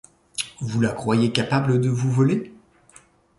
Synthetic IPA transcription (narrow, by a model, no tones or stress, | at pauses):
vulakχwajekapabləd̪əvuvɔle